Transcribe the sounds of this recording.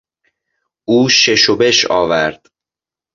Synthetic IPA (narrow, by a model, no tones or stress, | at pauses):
uːʃe̞ʃobe̞ʃɒ̰ːvæɾd̪̥